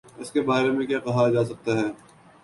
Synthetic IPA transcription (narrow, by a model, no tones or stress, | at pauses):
ɪskebaːɾemẽkjaːkɐɦad͡ʒaːs̬ɐk̚t̪aɦɛː